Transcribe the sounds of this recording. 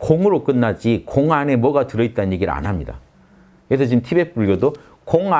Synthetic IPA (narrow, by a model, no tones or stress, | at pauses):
koŋɯɾok͈ɯnːad͡ʑikoŋane̞mwʌɡatɯɾʌit̚t͈anɯnɲje̞ɡiɾɯ̰a̰nɦamɲida̰ | kkɯɾes̬ʰʌt͡ɕimtʰibe̞p͈uɭɡʌdo | koŋa